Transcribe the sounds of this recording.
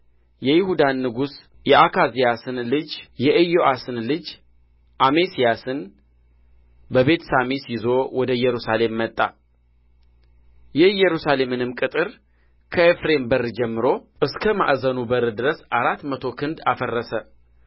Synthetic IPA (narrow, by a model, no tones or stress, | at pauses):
jɛjɪhud̪anːɨɡus | jɛʔakʰazijasɨnlɨd͡ʒjɛʔɨjoʔasɨnlɨd͡ʒ | ʔame̞sijasɨn | bəβe̞t̪samesjɪzo̞wɔd̪əjːɛɾusale̞mːət̪ʼːa̰ | jɛjɛɾusale̞mɨnɨmkʼɨt̪ʼɨɾ | kʰəefɾe̞mbərːd͡ʒɛmːɨɾo̞ʔɨskʰəma̰ʔzənubəɾd̪ɨɾəsaɾat̪ːmət̪ʰo̞kʰɨnd̪afərːəsə